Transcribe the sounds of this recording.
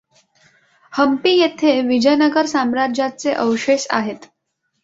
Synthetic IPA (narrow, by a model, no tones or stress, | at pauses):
həmpiːjet̪ʰeʋid͡ʑəjnəɡəɾsamɾad͡ʑjat͡seʔəʋʂeɕa̰ɦet̪